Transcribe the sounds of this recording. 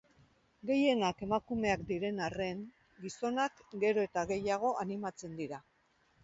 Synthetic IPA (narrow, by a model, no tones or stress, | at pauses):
ɡe̞je̞nake̞makume̞akd̪iɾe̞nare̞ŋ | ɡiso̞nakɡe̞ɾo̞e̞t̪aɣe̞jaɣ̞o̞animat͡se̞nd̪iɾa